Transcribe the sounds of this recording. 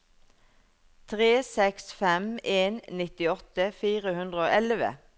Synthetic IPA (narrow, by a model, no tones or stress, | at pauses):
t̪ʰʁeːsɛksfɛmeːnnɪt̪ɪɔt̪əfiːʁəhʉnd̪ʁəoːʔɛlʋə̰